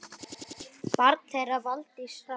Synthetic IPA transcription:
paɾk̪̚θɛɾavalt̪isa

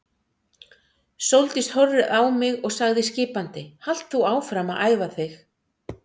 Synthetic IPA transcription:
sowlt̪ɪst̪hɔrːɪðawmɪɣɔɣsaɣðɪscɪːpant̪ɪhal̥t̪θuaːwfɾamaʔaːjvaθɪx

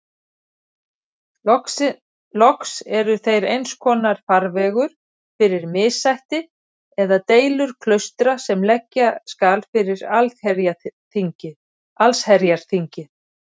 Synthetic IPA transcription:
lɔksɛɾʏθejɾejnskʰɔːnaɾ̥faɾvɛːɣʏɾ̥ | fɪɾɪɾmɪːsajht̪ɪ | ɛðat̪eːjlʏɾ̥kʰlœɥst̪ɾasɛmlɛcːaskaːlfɪɾɪɾalɛɾjaθiɲcɪ | alshɛɾjaɾ̥θiɲcɪ

